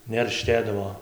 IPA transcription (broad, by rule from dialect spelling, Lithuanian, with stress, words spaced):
nʲɛrʲˈʃʲtʲeːdɐʋoː